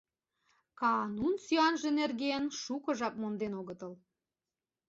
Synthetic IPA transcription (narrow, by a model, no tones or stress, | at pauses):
kɑnunsyɑnʒĕnerɣeənʃukɤ̆ʒɑpmond̪enoɣət̪əl